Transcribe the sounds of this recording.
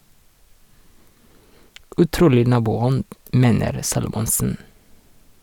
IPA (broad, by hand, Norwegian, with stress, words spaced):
ʉˈtɾuːlɪ ˈnɑːbuːˌɔnd ˈmeːnəɾ ˈsɑːlʊmɔnsn̩